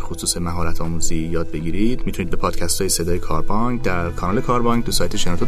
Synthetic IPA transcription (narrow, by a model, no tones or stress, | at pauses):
xosuːsemæɦɒːɾæt̪ʰɒːmuːzijɒːd̪̚be̞ɟiːɾid̪̥mit̪ʰuniːd̪be̞pʰɒːd̪̥cʰæst̪ʰɒːjese̞d̪ɒːjekʰɒːɾbɒŋɡd̪æɾkʰɒnɒːlekʰɒːɾbɒːŋɡ̚t̪ʰusɒːjt̪ʰeʃenɒːt̪ʰo